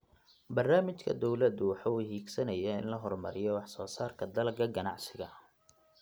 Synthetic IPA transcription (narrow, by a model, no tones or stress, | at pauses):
bɐrnaːmɪt͡ʃkʰɐ̰d̪ɔwlɐd̪ʊwɑħɑuhiːɡsɐnɐjaɪnlɐɦɔrmɐɾɪjɔwɑħsɔːsaːrkʰɐd̪ɐlɡɐɡɐnɑʕsɪɣɐ